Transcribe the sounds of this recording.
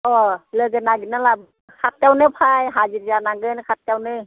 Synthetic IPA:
ʔɔlɯɡɯnːaɡinːala | kʰat̪̚kawnɯpʰajɦaziɾanaŋɡɯnkʰat̪̚kawnɯ

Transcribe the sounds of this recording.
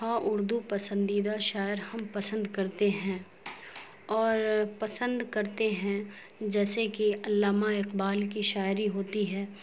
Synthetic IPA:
ɦaːʔʊɾd̪upɐsə̃nd̪iːd̪aʃaːɪɾhɐmpɐsə̃nd̪kɐɾt̪eɦɛ̃ | ɔːɾpɐsə̃nd̪kɐɾt̪eɦɛ̃ | d͡ʒɛːsekiɐlːaːmaɪqbaːlkiʃaːɪɾiɦoːt̪iɦɛː

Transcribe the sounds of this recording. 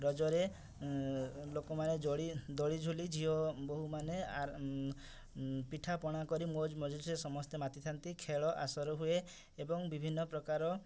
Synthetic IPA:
ɾɔd͡ʒɔɾe | lokɔmaned͡ʒɔɭid̪ɔɭid͡ʒʱulid͡ʒʱiɦɔboɦumanea | piʈʰapɔɽ̃akɔɾimod͡ʒmɔd͡ʒɔlisesɔmɔst̪emat̪it̪ʰant̪ikʰeɭɔʔasɔɾɔɦueː | bɔŋbibʱinːɔpɾɔkaɾɔ

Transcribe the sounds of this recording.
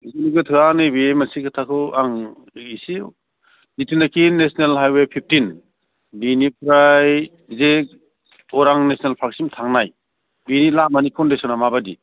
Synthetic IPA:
ziniɡɯtʰɯanɯbiemansikʰatʰakʰɯaŋ | isi | itinakʰinesnelɦajwepʰip̚tin | binipɾaj | ze | ɔɾaŋnesnelpʰaksimtʰaŋnaj | binilamanikʰɔndesɔnamabadi

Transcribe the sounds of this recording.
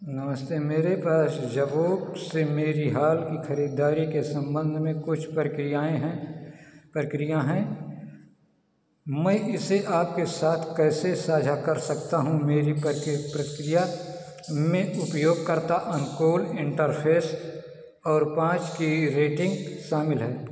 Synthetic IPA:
nɐməst̪eːmeːɾepaːsd͡ʒɐboːbsemeːɾiɦaːlkixɐɾiːd̪aːɾikesɐ̃mbə̃nd̪ʱmẽkʊt͡ʃʰpɾkɾɪjaːẽɦɛ̃ | pɾəkɾijãɦɛ̃ | mɛ̃ʔɪseʔaːp̚kesaːt̪ʰkɛːsesaːd͡ʒʱakɐɾsɐkt̪aɦũmeːɾipɾəkɾɪja | mẽʊpjoːɡ̚kɐɾt̪aʔɐnkoːlɪ̃ɳʈəɾpʰeːs | ɔːɾpãːt͡ʃkiɾeːʈɪ̃ŋɡʃaːmɪlɦɛː

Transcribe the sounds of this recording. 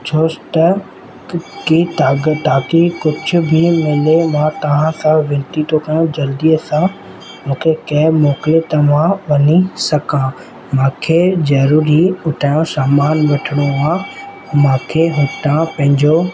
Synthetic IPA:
t͡ɕʰoːst̪ɐ | kit̪aːɡət̪aːkikʊd͡ʑʱʊ̆bʱimɪlemãːt̪ɐʋ̤ãsãʋɪ̃nt̪it̪ʰokɐj̃õd͡ʑɐld̪ijəsã | mũːkʰekɐɦɪmɔːklet̪ɐʋ̤ãʋɐɲisɐkã | mãːkʰezɐɾuːɾiʊʈʰaːjõsaːmaːnʋɐʈʰɪɽ̃ũaː | mãːkʰeɦʊʈãpɐ̃ɦɪ̃ɲd͡ʑo

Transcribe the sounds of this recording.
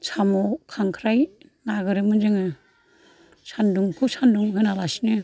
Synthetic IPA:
sʰamɔkʰaŋkʰɾaj | naɡɯɾɯmɯnzɯŋɯ | sʰanduŋkʰusanduŋhɯnalasinɯ

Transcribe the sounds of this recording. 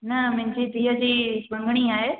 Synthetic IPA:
nɐmʊ̃ɦɪ̃ɲd͡ʑit̪iːəd͡ʑiːbə̃ŋɡɽ̃iaːɦeː

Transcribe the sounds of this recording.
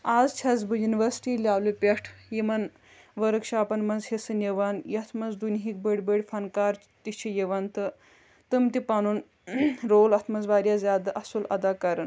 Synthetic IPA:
azt͡ʃʰɐzbujuniʋəɾsi̥ʈiːlʲaːlupʲeʈʰjimɐn | ʋəɾəkʂaːpɐnmɐzhesɨnjeʋanjɐt̪ʰmɐzd̪unɦik̚bəɽʲbəɽʲfʰɐnkaɾt͡ʃ | t̪it͡ʃʰijeʋɐnt̪ɨ | t̪əmt̪ipanuːn | ɾoːlɐt̪ʰmɐzʋaːɾjazjaːd̪ɐʔɐsulɐ̰d̪akaɾɐn

